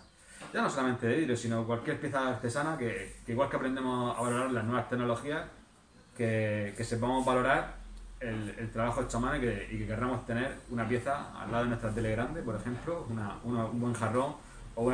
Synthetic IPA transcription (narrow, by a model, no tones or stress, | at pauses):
ɟ͡ʝano̞so̞lamẽnt̪eðeðiɾosino̞kwalkje̞ɾpjeθaːɾt̪e̞sanakekeiɣwalkeapɾend̪e̞moa̰βalo̞ɾaɾlaznwe̞βast̪e̞no̞lo̞xias | keke̞se̞p̬amo̞zβalo̞ɾaɾelelt̪ɾaβaxoet͡ʃamanoikeikeke̞ramo̞st̪e̞ne̞ɾunapje̞θaa̰lːaðonwest̪ɾat̪̬e̞le̞ɣɾand̪e̞po̞ɾe̞xẽ̞mplounaunaumbwe̞ŋxaro̞ŋ | oun